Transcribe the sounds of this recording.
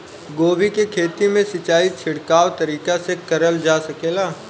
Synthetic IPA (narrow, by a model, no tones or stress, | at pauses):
ɡoːʋikekʰeːt̪imẽsɪt͡ʃaːit͡ʃʰɪɽkaːʋt̪ɐɾiːkasekɐɾəld͡ʒaːsɐkeːlaː